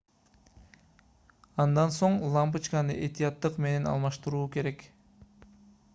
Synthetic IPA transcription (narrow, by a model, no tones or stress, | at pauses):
ɑnd̪ɑnso̞ɴlˠɑmp̬ɯt͡ʃkɑnɯ̰ʔe̞t̪ijɑt̪ːɯqme̞ne̞nɑ̰lˠmɑʃt̪uɾuːke̞ɾe̞k